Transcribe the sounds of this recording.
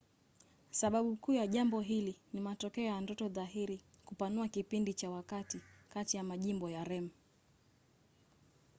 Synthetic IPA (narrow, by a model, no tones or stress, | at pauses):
saɓaɓukuːjaʄambɔɦilinimatɔkɛɔjandɔtɔðaɦiɾikupanuakipindit͡ʃawakatikatijamaʄimbɔjaɾɛm̩